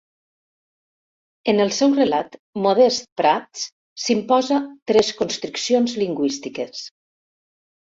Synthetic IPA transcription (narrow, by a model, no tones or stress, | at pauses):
enəlˠsɛwrelat̪moð̞ɛst̪̚pɾat̪s | simpɔzat̪ɾɛskonst̪ɾuksionzliŋɡwist̪ikes